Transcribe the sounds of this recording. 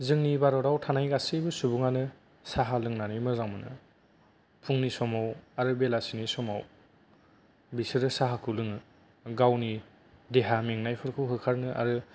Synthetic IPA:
zɯŋnibaɾɔɾawtʰanajɡasɯbɯsubuŋanɯ | saɦalɯŋnanimɯzaŋmɯnɯ̰ | pʰuŋnisɔmawaɾɯbelasinisɔma̰w | bisɯɾɯsaɦakʰɯlɯŋɯ | ɡawni | deɦameŋnajpʰɯɾkʰɯwɦɯkʰaɾnɯʔa̰ɾɯ

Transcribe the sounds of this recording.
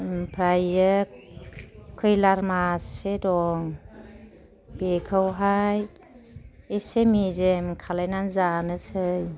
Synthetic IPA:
pʰɾajɯkʰː | ɯjlaɾmasedɔŋ | b̥ekʰəwɦaj | esemizemkʰalajnanzanɯsɯj

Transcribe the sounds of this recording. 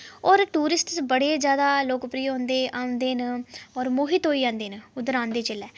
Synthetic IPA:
ɔːɾʈuːɾɪsʈsbəɽeːd͡ʒjaːd̪aːloːkpɾiːõnd̪eːʔaːʊ̃nd̪eːnɔːɾmoːɦɪt̪ɦoːiːãːnd̪eːnʊd̪əɾãːnd̪eːt͡ʃɪlɛː

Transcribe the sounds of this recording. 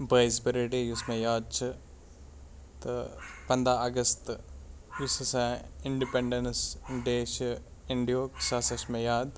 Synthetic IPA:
bɾaɪzbiɾiʈijusmẽjaːd̪̚t͡ʃʰɨ | t̪pɐ̃nd̪ɾaɐɡɐst̪jussãɪ̃ɳɖipeɳɖensɖeːʃ | ɪɳɖijoːksaːsɐʃmẽjaːd̪

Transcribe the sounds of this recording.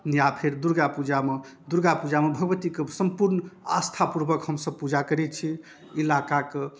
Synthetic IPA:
nijapʰeɾd̪uɾɡapud͡ʒamed̪uɾɡapud͡ʒamebʱəɡəbət̪ikesəmpuɾnast̪ʰapuɾbəkɦəmsəb̚pud͡ʒakəɾɛt̪t͡ʃʰi | ilakake

